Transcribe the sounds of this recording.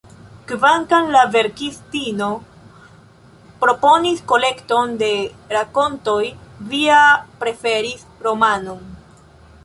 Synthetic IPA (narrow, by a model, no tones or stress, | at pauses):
kvaŋkanlave̞ɾkistino̞ | pɾo̞po̞nisko̞le̞kto̞nde̞ɾako̞nto̞jviapɾe̞fe̞ɾis | ɾo̞manon